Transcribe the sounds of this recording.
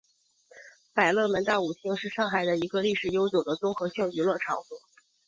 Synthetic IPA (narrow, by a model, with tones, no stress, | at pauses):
pa˨˩ɪlɤ˥˩mə˧˥nt̪a˥˩u˨˩t̪ʰi˥ŋʂɻ̩˥˧ʂɑ˥˩ŋxa˨˩ɪd̪ə˦i˧˥ɡə˧li˥˩ʂɻ̩˨˩jo˥ʊt͡ɕjo˨˩ʊd̪ə˦t͡sʊ˥ŋxɤ˧˥ɕjɑ˥˩ŋy˧˥lwə˥˩ʈ͡ʂʰɑ˨˧˥ŋfu˥˩˦